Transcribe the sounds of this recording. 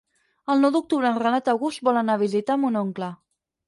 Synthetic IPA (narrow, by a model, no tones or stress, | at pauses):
əlˠnɔwd̪uk̚t̪uβɾənrənat̪əwɣust̪̚bɔlənaβ̞izit̪amunoŋklə